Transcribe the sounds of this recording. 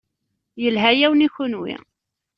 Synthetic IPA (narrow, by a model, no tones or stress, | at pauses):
jəlɦæjæwniçʊnwḭ